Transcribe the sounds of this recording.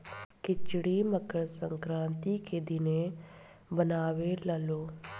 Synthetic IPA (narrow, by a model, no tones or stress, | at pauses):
kɪt͡ʃɽiːməkəɽsəŋkɾãːnt̪iːkʰeːd̪iːneː | bənaːʋeːləloː